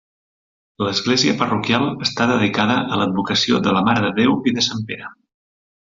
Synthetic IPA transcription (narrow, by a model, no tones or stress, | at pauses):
ləzɣleziəpərukjalˠəst̪aðəðikaðəʔələd̪̚βukəsioðələmaɾəðəðewiðəsampeɾə